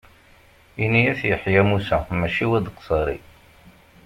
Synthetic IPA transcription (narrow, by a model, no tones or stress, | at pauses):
inijæθjəħjæmusæmæʃiwæd̪qsˤəɾˤḭ